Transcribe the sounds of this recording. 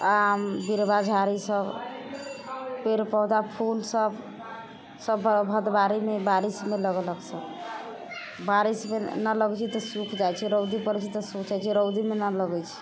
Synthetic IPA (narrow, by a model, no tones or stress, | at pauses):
ambiɾbad͡ʒʱaɾisəb | peɾpɔd̪apʰulsəb | səbbʱəd̪baɾimebaɾismeləɡələɡsəb | baɾismenələɡɛt͡ʃʰit̪ɔsukʰd͡ʒajt͡ʃʰiɾəwd̪ipəɾɛt͡ʃʰit̪ɔsukʰt͡ʃd͡ʒajt͡ʃʰiɾəwd̪imenələɡɛt͡ʃʰi̥